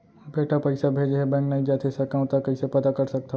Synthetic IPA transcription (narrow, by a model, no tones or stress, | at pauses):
beːʈʰapɐɪsabʱeːd͡ʒɦɛbɛ̃ːknaɦĩd͡ʒaːt̪esɐkãːʊ̃t̪akɐɪsepɐt̪akɐɾsɐk̚t̪a